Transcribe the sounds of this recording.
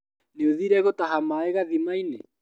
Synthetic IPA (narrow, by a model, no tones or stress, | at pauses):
neoðiɾɛɣotaɦamaeɣaðimainḛ